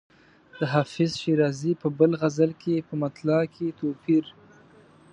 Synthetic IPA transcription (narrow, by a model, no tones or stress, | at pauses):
d̪̥əɦɑfɪzʃiɾɑzipəbəlɣazəlkʰepəmat̪lɑkʰet̪opiɾ